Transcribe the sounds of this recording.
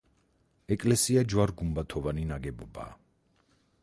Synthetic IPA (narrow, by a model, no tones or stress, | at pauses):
ɛkʼlɛsiad͡ʒwaɾɡumbat̪ʰɔvaninaɡɛbɔba̰ː